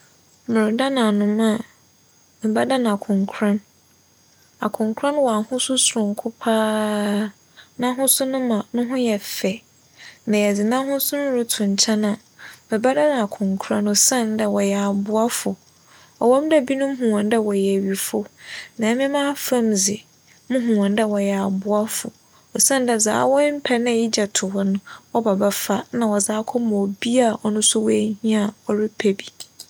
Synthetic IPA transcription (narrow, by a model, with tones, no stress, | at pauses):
mʊ̃˨ɾʊ˨da˦nã˨nʊ̃˨mã˦˨ | mɪ˨ba˦da˦n˨a˨kʰʊ̃˨ŋkʰɾã˦n | a̰˨kʰʊ̃˨ŋkʰɾã˦nwɔ˨a˨hʊ̃˦sʊ˦sʊ˨ɾʊ̃˨ŋkʰʊ˦pʰaː˦ | nã˦ɦʊ̃˦sʊ˦nʊ̃˦mã˨nʊ̃˦ɦʊ̃˦jɛ˨fɛ˨ | nã˨jɛ˨d͡zɪ˨nã˦hʊ̃˦sʊ̃˦nʊ̃˦ɾʊ˦tʰʊ̃˨ɲ˨t͡ɕʰa˦nã˨ | mɛ̃˨ba˦dã˦n˨a˨kʰʊ̃˨ŋkʰɾã˦nɔ˨sã˦˨n˦dɛ˨wɔ˨jɛ˨a˨bʊ˦a˦fʊ˨ | ɔ˨wɔ̃˦m˦dɛ˦bi˦nʊ̃˦m˦ɦũ˨ɔ̃˨n˦dɛ˦wɔ˨jɛ˨ɥi˨fʊ˦nã˨˦mɪ̃˦mã˦fã˦mzɪ˨ | mʊ̃˦ɦũ˨ã˨n˦dɛ˨wɔ˨jɛ˨a˨bʊ˦a˦fʊ̰˨ | ɔ˨sã˦n˦dɛ˨za̰ː˦wɔ˦m̩˦pʰɛ˨nã˦˨i˦d͡ʑɛ˨tʰʊ˨hɔ˦nʊ̃˦ɔ˦ba˨ba˦fa˦nã˨wɔ˨zaː˦kʰɔ˦m˨ɔ˨bi˦a˦˨ʔɔ˨nʊ̃˦sʊ˦wɔ˦æ˦hĩ˦a˨ɔ˦ɾɪ˦pʰɛ˨bi̥˨